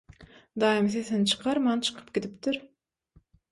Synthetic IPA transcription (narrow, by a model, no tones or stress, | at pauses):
d̪ɑːjimθeθent͡ʃʰɯ̥qʰɑɾmɑnt͡ʃʰɨ̥qʰɯ̥pɡid̪ipt̪iɾ